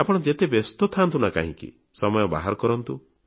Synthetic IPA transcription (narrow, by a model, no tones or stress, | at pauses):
apɔɽ̃ɔd͡ʒet̪ebest̪ɔt̪ʰant̪ʰunaka̰ɦḭ̃kḭ | sɔmɔjɔba̰ɦaɾɔkɔɾɔnt̪u